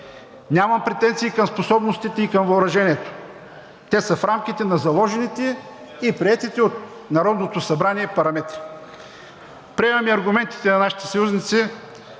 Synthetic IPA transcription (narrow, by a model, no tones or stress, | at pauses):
nʲamɐmpɾɛt̪ɛnt̪siːkɐmsposɔbnost̪it̪ɛikɐmvɐʊɾɐʒɛnʲiɛt̪o̥ | t̪ɛsəfɾamk̟it̪ɛnɐzɐlˠɔʒɛnit̪ɛ | ipɾiɛt̪it̪ɛot̪̚ | nɐɾɔd̪not̪osɐbɾaniɛpɐɾɐmɛt̪ɾi̥ | pɾiɛmɐmiɐɾɡʊmɛnt̪i̥t̪ɛnɐnaʃi̥t̪ɛ̥sɐjuznit̪si